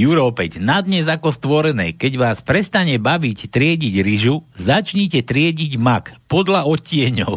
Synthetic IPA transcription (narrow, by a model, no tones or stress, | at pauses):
juɾɔpɛɟnad̪ɲɛzakɔst̪ʋɔɾɛnɛːkɛɟʋaːspɾɛst̪aɲɛbaʋict̪ɾɪɛɟiɟɾiʒuzat͡ʃɲicɛt̪ɾɪɛɟiɟmakpɔd̪laɔcːɪɛɲɔʊ